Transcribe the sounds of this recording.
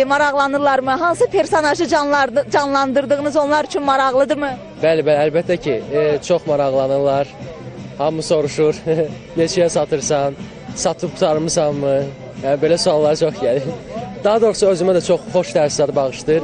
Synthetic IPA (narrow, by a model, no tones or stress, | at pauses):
mɑɾɑʁlˠɑnɯɾlˠɑɾmɯɦɑnsɯpʰeɾsonɑʒɯd͡ʒɑnlˠɑnd̪ɯɾd̪ɯɣɯnɯzo̞nlˠɑɾyt͡ʃʰynmɑɾɑʁlˠɯd̪ɯmɯ | bælibælælbæt̪ʰːæcʰit͡ʃʰoχmɑɾɑʁlˠɑnɯɾlˠɑɾ | hɑmːuso̞ɾuʃuɾ | ne̞t͡ʃʰɛjɛsɑt̪ʰɯɾsɑn | sɑt̪ʰɯpu̥t̪ʰɑɾmɯzɑmːɯ | jænibe̞læsuɑlˠːɑɾɯt͡ʃʰo̞χɟæliɾd̪̥ɑɦɑd̪o̞ɾsɑøzymæd̪æt͡ʃʰo̞χχo̞ʃt̪ʰæɾslæɾɯbɑʁɯʃt̪ɯɾ